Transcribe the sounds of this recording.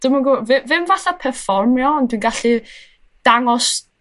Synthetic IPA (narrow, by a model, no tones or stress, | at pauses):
d̥ɪmaɡuːvɪvɪmvaθapʰɛrfɔrmjɔndwiːnɡaɬi | d̥aŋɔs